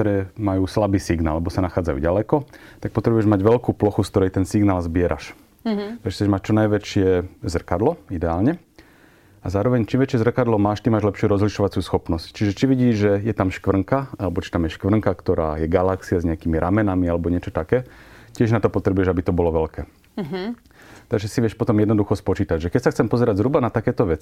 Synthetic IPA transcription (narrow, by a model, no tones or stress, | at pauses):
kt̪ɔɾɛːmajuːslabiːsiɡna̰ːlːɛbɔsanaxaːd͡zajṵɟalɛkɔt̪ak̚pɔt̪ɾɛbujɛʒmaɟʋɛlkuːplɔxuskt̪ɔɾɛjt̪ɛnsiɡnaːlzbɪɛɾa̰ʃ | t̪kt͡sɛʒmact͡ʃɔnajʋɛt͡ʃɪɛzr̩kad̪lɔid̪ɛaːlɲɛ | azaːɾɔʋɛɲt͡ʃimʋɛt͡ʃɪɛzr̩kad̪lɔmaːʃt̪imaːʒlɛpʃɪuːɾɔzliʃɔʋat͡sjuːsxɔpnɔsct͡ʃiʒɛt͡ʃiʋiɟiːʒʒɛjɛt̪amʃkʋr̩ŋkaalɛbɔt͡ʃi̥t̪amjɛʃkʋr̩ŋkakt̪ɔɾa̰ːjɛɡalaksiazɲɛakimiɾʔamɛnamialɛbɔɲɪɛt͡ʃɔt̪akɛːcɪɛʒnat̪ɔpɔt̪ɾɛbujɛʒabit̪ɔbɔlɔʋɛlkɛː | t̪aɡʒɛsiʋɪɛʃpɔt̪ɔmjɛd̪nɔd̪uxɔspɔt͡ʃiːt̪aɟʒɛkɛcsaxt͡sɛmpɔzɛɾaɟzɦɾubanat̪akɛːt̪ɔʋɛt͡si